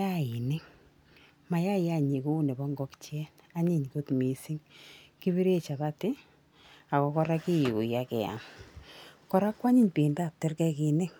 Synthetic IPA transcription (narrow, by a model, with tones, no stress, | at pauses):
a˦i˨nɪ˦ŋ | ma˨ja˦˨ja˦˨ɲi˨ku˦ne˨bɔ˦ŋɡɔ˦kt͡ʃɛ˦n | a˦ɲi˦˨ɲko˦tmi˨si˦ŋki˦bi˦ɾe˦t͡ʃa˨βa˦tɪ˦ | a˨kɔ˨kɔ˦ɾa˦ki˦ji˨ku˨ja˦kɛ̰˨ja̰˨ŋ | kɔ˨ɾa˦kwa˦ɲɪ˦ɲpiː˨nda˦˨p̚tɪ˦rkɛ˦ki˨ne˦ŋ